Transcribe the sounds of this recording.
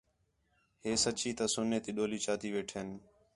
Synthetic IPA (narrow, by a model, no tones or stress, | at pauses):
heːsət͡ʃiːt̪aːsʊneːt̪iːɗoːliːt͡ʃaːt̪iːʋeːʈʰeːn